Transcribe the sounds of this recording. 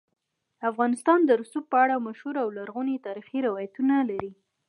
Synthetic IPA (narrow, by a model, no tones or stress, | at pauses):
afɣɑnɪst̪ɑnd̪əɾʊsup̚pəaɽamaʃhuɾawlaɾɣunet̪ɑɾixiɾɪwɑjat̪unalaɾi